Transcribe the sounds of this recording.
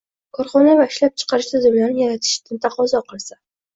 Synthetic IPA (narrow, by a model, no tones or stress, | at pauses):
kʰɒɾχɒnavaɪʃlap̚t͡ʃʰɨ̥qʰɑɾɪʃt̪ʰʊzɪmlaɾnɪjaɾat̪ʰɪ̥ʃt̪ɪnt̪ʰɑqɒzɒqɨlˠsa